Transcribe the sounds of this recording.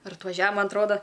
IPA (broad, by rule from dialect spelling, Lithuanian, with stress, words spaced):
ɪr ɐtʋɐˈʒʲɛ ˈmɐn ɐtˈroːdɐ